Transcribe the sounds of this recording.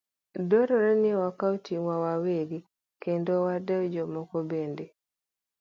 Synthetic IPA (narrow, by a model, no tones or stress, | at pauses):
doɾɔɾɛniwakawtiwawaweɡi | kendowadɛwd͡ʒomɔkobende